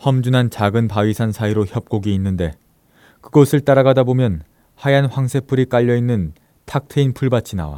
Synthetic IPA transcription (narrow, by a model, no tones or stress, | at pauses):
hʌmd͡ʑunɦant͡ɕaɡɯnpaɥisʰansʰaiɾoçjʌp̚k͈oɡiːnːɯnde̞ | kɯɡʌsʰɯɭt͈aɾaɡadabomjʌn | hajanɸwaŋsʰe̞pʰɯɾik͈aʎːʌinːɯn | tʰak̚tʰeinpʰuɭbat͡ɕʰina̰wa̰